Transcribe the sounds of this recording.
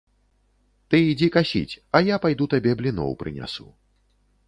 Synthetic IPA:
t̪ɨid͡zʲikasʲḭt͡sʲɐjapajd̪ut̪abʲɛblʲinɔ̰wpɾɨ̰nʲa̰sṵ

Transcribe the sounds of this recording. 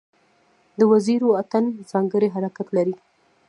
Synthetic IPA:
d̪əwaziɾoat̪anz̥ɑŋɡəɾeɦaɾakat̪laɾi

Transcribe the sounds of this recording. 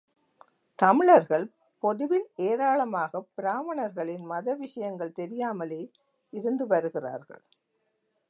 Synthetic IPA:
t̪ɐmɪɭɐɾɣɐɭ | pɔðɯʋɪneːɾaːɭɐmaːɣɐpɪɾaːʋɐɳɐɾɣɐɭɪnmɐðɐʋɪʂɐjɐŋɡɐɭt̪ɛɾɪjaːmɐleː | ɪɾɯnd̪ɯʋɐɾɯɣɪra̰ːɾɣɐ̰ɭ

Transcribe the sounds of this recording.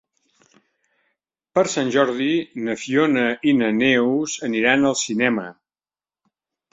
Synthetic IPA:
pəɾsanʲʒɔɾðinəfionəʔinənɛwzəniɾanəlˠsinɛmə

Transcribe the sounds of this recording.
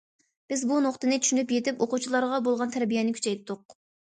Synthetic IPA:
b̥ɪzbunoχt̪ɨnɪt͡ʃ̪ʰy̥ʃynypjet̪ɪpoqut͡ʃʰilˠɑɾʁɑbolˠʁɑnt̪ʰæɾbijɛnɪkʲʰy̥t͡ʃʰɛjt̪ʰːʊq̚

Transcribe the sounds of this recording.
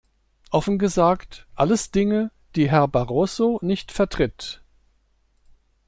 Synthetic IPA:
ʔɔfn̩ɡəzaːktʔaləsd̥ɪŋə | d̥iːɦɛɐbaʁoːsonɪçtfɛɐtʁ̥ɪt

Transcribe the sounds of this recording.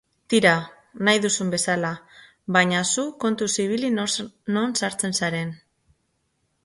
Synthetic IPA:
t̪iɾa | najðusumbe̞sala | βaɲasuko̞nt̪usiβ̞ilino̞nsaɾt͡se̞nsaɾe̞n

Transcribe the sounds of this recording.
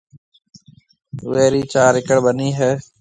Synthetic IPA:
ʋeːɾiːt͡ʃaːɾɪkəɽbəniːɦɛː

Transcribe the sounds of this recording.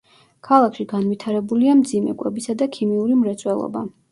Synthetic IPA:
kʰalˠakʰʃiɡanwit̪ʰaɾɛbuliamd̪zimɛ̰kʼwɛbisad̪akʰimiuɾimɾɛt̪sʼwɛlˠɔ̰ba̰

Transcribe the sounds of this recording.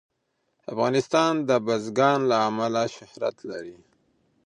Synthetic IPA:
afɣɑnɪst̪ɑnd̪əbazɡɑnlaːmalaʃɪhɾa̰t̪laɾi

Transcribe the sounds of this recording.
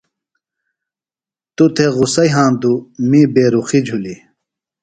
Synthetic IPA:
t̪ut̪ʰeɣusɐjɦãːnd̪umibeːɾuxid͡ʑʱuli

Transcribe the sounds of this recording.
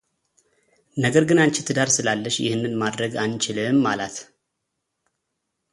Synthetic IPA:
nəɡəɾɡɨnant͡ʃɪt̪ʰɨd̪aɾsɨlalːəʃjɪ̰hɨnːɨnmad̪ɾəɡant͡ʃɪlɨmːalat̪

